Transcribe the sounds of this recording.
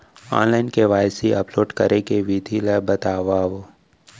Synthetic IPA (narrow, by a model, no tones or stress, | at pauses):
ã̰ːnlaːɪnkeʋaːjsiɐploːɖkɐɾʔekeʋid̪ʱilebɐt̪aːʋaːʋo